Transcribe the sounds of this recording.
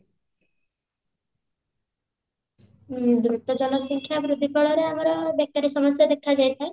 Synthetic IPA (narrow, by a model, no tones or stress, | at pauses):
nd̪ɾut̪ːɔd͡ʒɔnɔsɔŋkʰjabɾud̪ʱːikɔɭɔɾeamaɾɔbɛkːaɾisɔmɔsjad̪ekʰad͡ʒajt̪ʰae